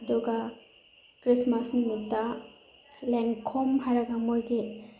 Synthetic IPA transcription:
ɐduɡa | kɾismasnumitːa | leŋkʰɔmɦaɾɐɡamojɡi

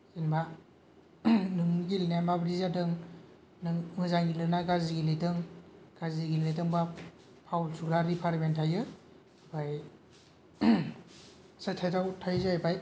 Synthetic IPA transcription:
zinba | nɯŋnɡilnamabɾizadɯŋ | nɯmɯzaŋɡilɯnaɡaziɡiletɯŋɡ̥aziɡilet̬ɯŋba | pʰawlsʰuɡɾaɾipʰaɾmentʰajɯ | baj | satʰajtawtʰajzajbaj

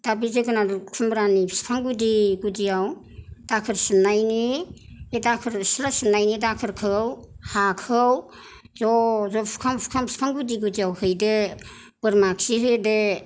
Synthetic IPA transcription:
d̥abizeɡɯnadkʰumbɾanipʰi̥spʰaŋɡudiɡudijaw | d̥akʰɯɾsɯnajniedakʰɯɾslasɯnːajnidakʰɯɾkʰɯwhakʰɯw | zɔzɔpʰu̥kʰaŋʰu̥kʰamʰspʰaŋɡudiɡudijawhɯjde | b̥ɯɾmaksiɦɯjde

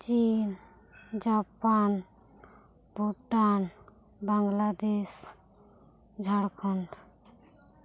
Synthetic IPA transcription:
t͡ʃin | d͡ʒapan | buʈan | baŋɡlad̪es | d͡ʒʱaɽkʰɔɳʈ

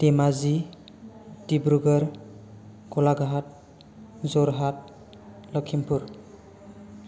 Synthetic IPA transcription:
temazi | tibɾuɡɔɾ | kɔlaɡaɦat̚ | zɔɾɦat̚ | lɔkʰimpuɾ

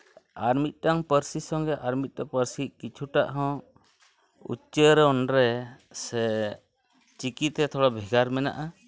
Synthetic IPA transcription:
aɾmit̪̚ˀʈaŋpəɾsisɔŋɡɛʔaɾmit̪̚tɔpəɾsikit͡ʃʰuʈa̰ʔɦɔ̃ | ṵt͡ʃəɾɛɔnɾɛ | sɛ | t͡ʃikit̪ɛt̪ʰɔɽɔbʱiɡaɾmɛna̰ʔa

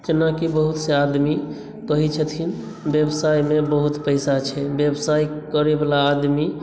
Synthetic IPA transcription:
t͡ʃenakibəɦut̪sead̪mi | kəɦit͡ʃʰət̪ʰin | bjebsajmebəɦut̪pəjsat͡ʃʰɛbjebsajkəɾebalaːd̪mi

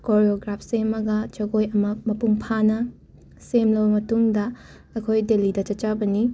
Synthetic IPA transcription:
koɾioɡɾapʰsemːɐɡɐt͡ʃɐɡojɐmɐmɐpuŋpʰanɐ | semlɐwbɐmɐtuŋdɐ | ɐkʰojdelidɐt͡ʃɐt̚t͡ʃabɐni

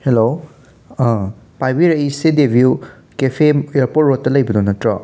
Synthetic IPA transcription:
helo | pajbiɾɐisedebʱju | kepʰemeɾpotɾot̚ːɐlɐjbɐdonɐtɾɔ

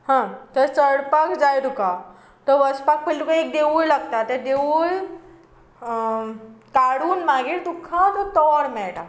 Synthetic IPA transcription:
hãt̪əɾt͡səɽpakd͡zajd̪uka | t̪əɾʋəspak̚pəlukaek̚d̪eʋuːɭlaɡt̪at̪ed̪eʋuɭ | kaɽuːnmaɡiːɾt̪ukʰãt̪ɔt̪ɔɾmɛɭʈa

